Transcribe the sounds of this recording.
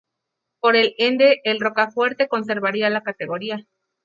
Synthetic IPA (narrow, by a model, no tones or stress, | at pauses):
po̞ɾe̞lend̪e̞ʔːlro̞kafwe̞ɾt̪e̞ko̞ns̬e̞ɾβaɾialakat̪e̞ɣo̞ɾia